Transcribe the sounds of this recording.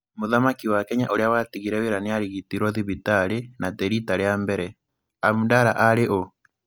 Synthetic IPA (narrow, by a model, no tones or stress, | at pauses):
moðamakiwakɛɲaʔoɾeawatiɣiɾɛweɾaneaɾiɣitiɾwɔðiβitaɾenatɛɾitaɾeambɛɾɛ | amudaɾaʔaɾeʔo